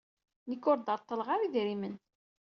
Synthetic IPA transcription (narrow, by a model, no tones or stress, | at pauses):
nəkːʊɾd̪ɑɾˤt̪ˤːəlʁaɾiðɾimən